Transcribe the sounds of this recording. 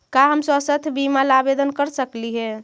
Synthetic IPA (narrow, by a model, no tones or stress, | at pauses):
kaɦəmsəsət̪ʰbimalabed̪ənkəɾsəkliɦɛ